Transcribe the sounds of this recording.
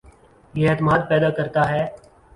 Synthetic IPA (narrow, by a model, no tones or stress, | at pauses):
jeeːt̪əmaːd̪̚pɛːd̪aːkəɾt̪aːɦɛː